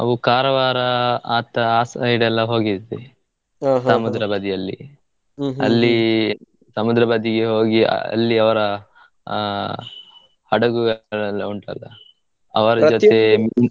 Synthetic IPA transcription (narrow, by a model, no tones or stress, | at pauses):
ɐ̰ʋukaːɾɐʋaːɾɐaːt̪ɐaːsɐiɽɛlːɐɦo̞ːɡie | ɦamud̪ɾɐbɐd̪ijɐlːḭ | ɐ̰lːi | sɐmud̪ɾɐbɐd̪iɡeɦo̞ːɡiɐ̰ɐ̰lːiɐʋɐɾɐ | hɐɽɐɡuɭlːɐuɳʈɐ̰lːɐ | ɐ̰ʋɐɾɐd͡ʒɔt̪ːe